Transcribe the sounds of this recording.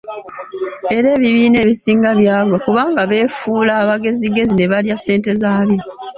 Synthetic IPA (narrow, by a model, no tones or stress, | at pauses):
e̞ɾe̞ːβiβiːne̞ːβisiːŋɡaβjaːɡwakuβaːŋɡaβe̞ːfuːlaːβaɡe̞ziɡe̞zine̞βaljase̞ːnte̞zaːβjo